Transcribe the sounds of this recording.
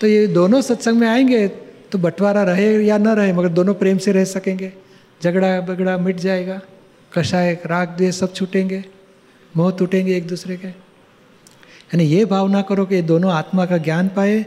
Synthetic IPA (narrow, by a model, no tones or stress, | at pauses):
t̪ojed̪oːnõsɐt̪sə̃ŋɡmẽaːẽːŋɡet̪obɐʈʰʋaːɾaɾɐɦejanɐɾɐɦemɐɡəɾd̪oːnõpɾeːmseɾɛɦsɐkẽːŋɡe | d͡ʒɐɡɽabɐɡɽamɪʈʰd͡ʒaːeːɡaː | kɐʃaːeɾaːk̚ʰd̪iesɐb̚t͡ʃʰʊʈẽːŋɡe | moːt̪uʈẽːŋɡeːk̚d̪uːsɾeke | jaːnijebʱaːʋnakɐɾokied̪oːnõaːt̪makaɡjaːnpaːe